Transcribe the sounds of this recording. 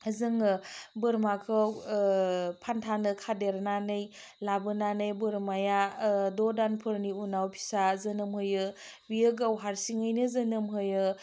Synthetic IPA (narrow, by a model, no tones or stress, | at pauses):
azɯŋɯbɯɾmakʰɯw | pʰantʰanɯkʰadeɾnanɯj | labɯnanɯjbɯɾmajadɔdanpʰɯɾniunawpʰi̥sazɐnɯmhɯjɯ | biɯɡawɦaɾsiŋɯjnɯzɐnɯmɦɯjɯ